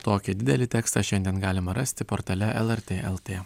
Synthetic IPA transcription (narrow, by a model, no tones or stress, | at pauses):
t̪oːkʲɪd̪ʲɪd̪ʲɛlʲɪt̪ʲæːkst̪ɑʃʲɛnʲd̪ʲiɛnɡɑːlʲɪmɐɾɐsʲt̪ʲɪpoːɾʲt̪ʲɛlʲɛʔɛlˠɛɾʲt̪ʲeːʔɛlˠt̪ʲeː